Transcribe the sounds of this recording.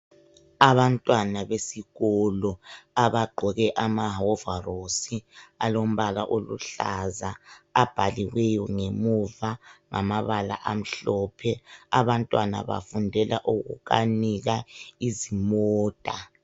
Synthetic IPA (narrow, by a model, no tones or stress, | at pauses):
aβantʼwanaβesiɣɔlɔaβaɡ͡ǃʱɔɣɛʔamaɦɔvarosialom̩βala̰ʔolṵɬazaːb̥ʱaliɣwɛjɔŋemuvaŋamaβala̰ʔam̩ɬɔːpʰɛaβantʼwana̰βa̰fundʱɛlaʔuɣṵɣa̰niɣaizimɔːd̥ʱa